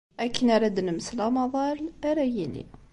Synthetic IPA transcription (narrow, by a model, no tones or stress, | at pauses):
ʔækənaɾˤæd̪nəmslɑmɑðˤɑɾˤaɾˤæjilḭ